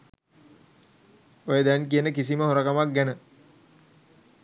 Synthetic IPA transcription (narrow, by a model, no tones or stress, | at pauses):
ojəd̪ɛnkiənəkisiməɦoɾəkamak̚ɡænə